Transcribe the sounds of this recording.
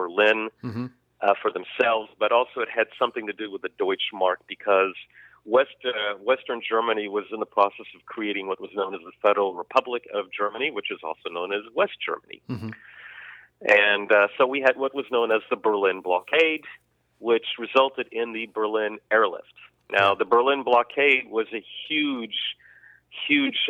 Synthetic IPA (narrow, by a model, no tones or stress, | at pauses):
b̥ə˞lɪ̃n | fə˞ðɨ̃m̩sɛlˠvzbʌɾɔlˠsoʊɨt̚hɨd̥sʌ̃mθɪ̃ŋtɨdɨwɨðɨdɔɪt͡ʃmɑɹk̚b̥ɨkʰʌz̥ | wɛstwɛstə̃˞nd͡ʒɜ˞mɨniwʌzɨ̃nðəpʰɹ̥ɔsɛsʌv̥kʰɹ̥ieɪɾɪ̃ŋwʌt̚wʌznõʊ̃nɨzðəfɛɾə˞l̩ˠɹəpʰʌblɨkʌvd͡ʒɜ˞mɨniwɨt͡ʃɨzɔ̰lˠsoʊnõʊ̃nɨzwɛstd̥ʒ̥ɜ̰˞mənḭ | ʔɨ̃nsoʊwiɨd̚wʌt̚wʌznõʊ̃nɨzðəbə˞lɪ̃nblɑkʰeɪd̚ | wɪt͡ʃɹɨzʌlˠtɨɾɪ̃nðɨbə˞lɪ̃nɛɹlɪ̰ft | naʊðɨbə˞lɪ̃nblɑkʰeɪd̚wʌzɨhjʉdʒ̥ | hjʉd̥ʒ̥